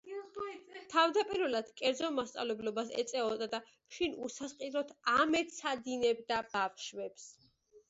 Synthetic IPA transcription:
t̪ʰavd̪apʼiɾvɛlad̪̥kʼɛɾd̪zɔmast̪sʼa̰vlɛblɔbasɛ̰t̪sʼɛɔd̪ad̪a | ʃinusasqʼiɾɔt̪ʰamɛt̪sʰad̪inɛbd̪abafʃwɛps

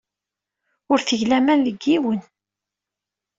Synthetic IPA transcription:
ʊɾθəʝlæmænðəɡːiwən

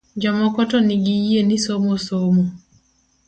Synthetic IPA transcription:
d͡ʒɔmɔkotoniɡijenisomosomo

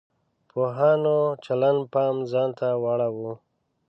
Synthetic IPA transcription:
pʰoɦɑːnot͡ʃalanpɑmzɑːnt̪awaɽawu

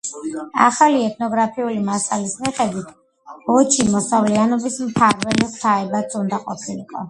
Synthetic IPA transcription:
a̰χaliɛt̪ʰnɔɡɾapʰiulimasalismiχɛd̪wit̪ʰ | ɔt͡ʃʰimɔsavlianɔbismt̪ʰaɾvɛliχt̪ʰaɛbat̪sʰund̪aqʼɔ̰p̪sʰilḭqʼɔ̰

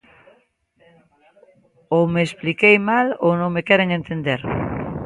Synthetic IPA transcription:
omeːsplikejmalonõŋmekɛɾeŋẽnt̪end̪eɾ

